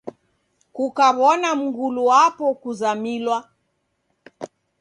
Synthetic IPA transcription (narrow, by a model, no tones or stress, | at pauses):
kukaβɔnam̩ɡuluwapɔkuzamilwa